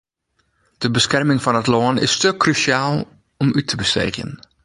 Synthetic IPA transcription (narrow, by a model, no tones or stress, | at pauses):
d̥əbəskɛrmɪŋfɑnətlɔənɪ̰støkrysjaːlˠ | ɔmytʰəbəstḛːχjə̰n